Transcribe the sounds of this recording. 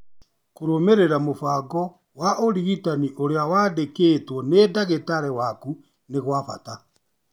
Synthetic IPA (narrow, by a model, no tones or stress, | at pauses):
koɾomeɾeɾamofaɡɔ | waʔoɾiɣitaniʔoɾeawaːdekeːtwɔnedaɣetaɾɛwaku | neɣwafa̰ta